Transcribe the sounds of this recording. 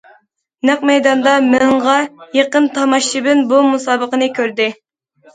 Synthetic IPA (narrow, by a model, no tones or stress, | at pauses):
næqmɛjd̪ɑnd̪ɑmɪɴʁɑjeqənt̪ʰɑmɑʃibɪnbumusɑːbəqənɨkʲʰøɾd̪ɪ